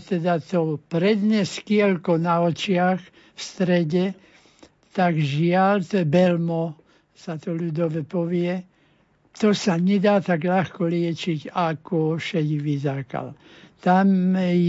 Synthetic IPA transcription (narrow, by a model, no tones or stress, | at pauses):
t̪ɛd̪at̪ɔpɾɛd̪ɲɛskɪɛlkɔnaɔt͡ʃɪax | fst̪ɾɛɟɛ | t̪aɡʒɪalt̪ɔɛbɛlmɔ | sat̪ɔlud̪ɔʋɛpɔʋɪɛ | t̪ɔsaɲɛd̪aːt̪aɡʎaxkɔlɪɛt͡ʃiɟakɔʃɛɟʋizaka̰l | t̪amj